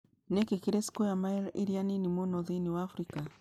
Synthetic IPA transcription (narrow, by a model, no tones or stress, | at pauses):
nɛkekiɾesi̥kojamajɾḭɾianinimonɔðiniwaːfɾika